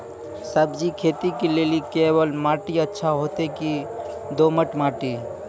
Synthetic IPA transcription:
səbd͡ʒikʰet̪ikelelikebəlmaʈiətːʃʰaɦot̪eki | d̪oməʈmaʈi

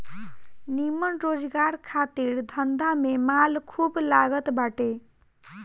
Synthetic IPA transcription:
nimənɾod͡ʒɡaɾkʰat̪iɾd̪ʱənd̪ʱamemalkʰublaɡət̪baʈe

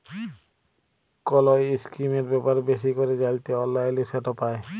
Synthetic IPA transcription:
kɔlojiskɾimeɾbɛpaɾbeʃikoɾed͡ʑalt̪eɔlːaelesɛʈopae

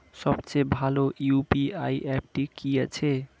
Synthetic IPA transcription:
sʌbt͡ʃebʱalojupiaiʔep̚ʈikijet͡ʃʰe

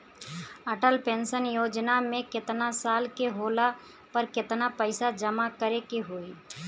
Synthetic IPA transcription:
əʈəlpẽːnsənjoːd͡ʒnamẽkɪt̪nasaːlkeɦoːla | pəɾkɪt̪napəɪsad͡ʒɐmakəɾekeɦoːiː

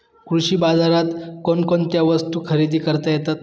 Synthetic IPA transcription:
kɾuɕiːbad͡zaɾat̪konkont̪jaʋəst̪uːkʰəɾid̪ʱiːkəɾt̪ajet̪at̪

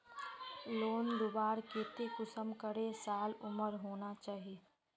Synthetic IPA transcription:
loːnd̪ʊbaːɾkeːt̪ekʊsəmkəɾesaːlʊməɾɦoːnat͡ʃaːɦieː

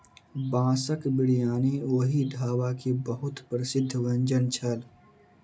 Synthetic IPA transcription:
bãːsəkbɪɽijaːneoːɦid̪ʱaːwakebəɦʊt̪pɾəsɪd̪ʱːʋɐ̃ɲd͡ʒənt͡ʃʰəl

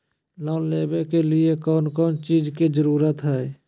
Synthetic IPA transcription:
lɔːnleːbekeliekɔːnkɔːnt͡ʃiːd͡ʒkid͡ʒəɾuːɾət̪ɦɛː

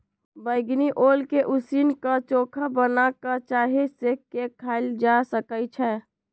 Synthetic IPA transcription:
bəɪɡniʔolkeʔusinkət͡ʃokʰəbənakət͡ʃaɦesekekʰːaɪld͡ʒasəkəjt͡ʃʰɛ

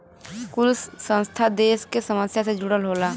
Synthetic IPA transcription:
kʊlsːə̃nst̪ʰad̪eːskesəməsjased͡ʒuɽəlɦola

